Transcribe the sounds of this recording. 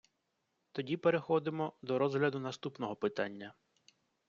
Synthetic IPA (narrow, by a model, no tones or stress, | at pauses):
t̪ɔdʲipeɾexɔd̪ɪmɔd̪ɔɾɔzɦlʲɐd̪ʊnɐst̪upnɔɦɔpɪt̪a̰nʲːɐ